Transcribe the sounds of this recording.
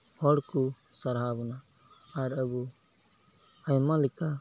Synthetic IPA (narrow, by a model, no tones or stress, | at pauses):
hɔɽku | saɾɦabɔnaː | ɾəbu | ajmalika